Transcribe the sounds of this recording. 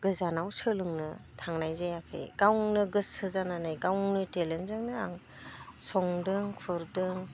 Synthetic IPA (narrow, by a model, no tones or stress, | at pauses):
ɡɯzanawsɯlɯŋnɯtʰaŋnajzajakʰɯ̰jɡ̥awŋnɯɡɯsɯzananajɡawŋnɯtelenzɯŋnɯaŋ | sɔŋdɯŋkʰɯɾdɯŋ